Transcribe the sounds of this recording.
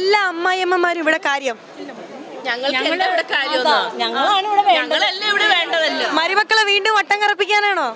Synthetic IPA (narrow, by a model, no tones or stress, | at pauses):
lːaːmːaːjemːɐmːaːɾumiʋiɽe̞kaːɾjɐmː | ɲɐŋːɐɭɲɐeːɐɭɐɽekaːɾjɐmːɲɐŋːɐɭaːɳiʋiɽeʋeːɲɐŋːɐɭɐlːɐiʋiɽeʋe̞ːɳɖɐðɐlːɐmɐɾimɐkːɐɭeʋiːɳɖumʋɐʈːɐŋkɐrɐpːikʲːaːnaːɳo̞ː